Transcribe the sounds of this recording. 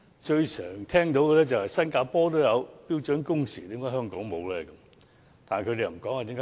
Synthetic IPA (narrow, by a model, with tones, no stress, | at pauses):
t͡ʃɵ˧ɥsœː˨˩ŋt̪ʰɛː˥ŋt̪o˨˧wkɛ˧lɛː˥t͡sɐ˨˩whɐ˨jsɐ˥nkaː˧pɔː˥t̪̬o˥wjɐ˨˧wpiː˥wt͡ʃœː˨˥nkʊ˥ŋsḭː˨˩t̪iː˥ŋkɔː˥ɦœː˥ŋkɔː˨˥ŋmo˨˧wlɛː˦˥kɐ˨˦m | t̪aː˨n˨˩kʰɵ˨˧t̪e˨jm̩˨˩kɔː˨˥ŋaː˨˧t̪i˨˦˥ŋkɔ˥